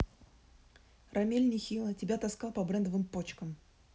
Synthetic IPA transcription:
rɐmʲelʲnʲɪjxʲilˠətʲɪbʲat̪ɐskɑlˠpɐbɾɛnd̪əvɨmpot͡ɕkəm

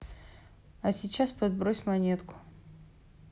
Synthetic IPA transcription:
ɐsʲɪt͡ɕːaspɐd̪̚bɾosʲmɐnʲet̪kʊ̥

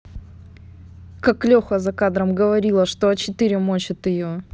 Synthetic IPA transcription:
kaklʲoxəzɐkad̪ɾəmɡəvɐɾʲilˠəʂt̪oɐt͡ɕɪt̪ɨɾʲɪmot͡ɕɪt̪ɪjo

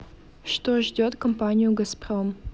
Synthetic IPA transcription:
ʂt̪oʐdʲot̪kɐmpanʲijuɡɐsprom

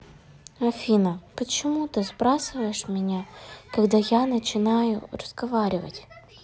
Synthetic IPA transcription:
ɐfʲinəpət͡ɕɪmut̪ɨzbɾasɨvəjɪʂmʲɪnʲakɐɡd̪ajanət͡ɕɪnajʊ̰rəz̥ɡɐvaɾʲɪvə̰tʲ

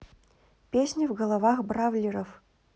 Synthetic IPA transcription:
pʲesʲnʲivɡəlˠɐvaxbɾavlʲiɾəf

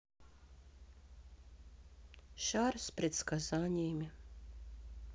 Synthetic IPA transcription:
ʃaːɾspɾet̪skazaɲɛːmʲa

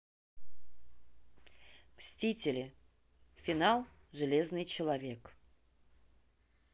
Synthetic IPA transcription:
sʲtʲitʲɪlʲɪ | fʲɪnalˠʐɨlʲe̞znɨjt͡ɕɪlˠɐvʲe̞k

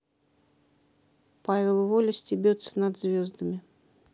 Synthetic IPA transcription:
pavʲɪlˠvolʲɪsʲtʲɪbʲot̪sːə̥nad̪zʲvʲozd̪əmʲɪ

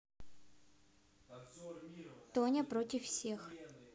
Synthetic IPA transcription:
t̪onʲɐpɾotʲɪfːsʲex

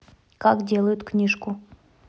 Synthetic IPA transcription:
kakdʲelˠəjʊt̪knʲiʂkʊ

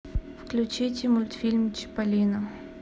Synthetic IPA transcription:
fklʲʊt͡ɕitʲɪmʊlʲt̪fʲilʲmt͡ɕɪ̥pɐlʲinɐ

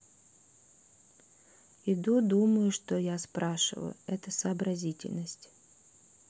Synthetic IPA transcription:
ɪd̪ud̪uməjʊʂt̪ojaspɾaʂɨ̰lˠə̰ɛt̪əsəːbɾɐzʲitʲɪ̰lʲnəsʲtʲ

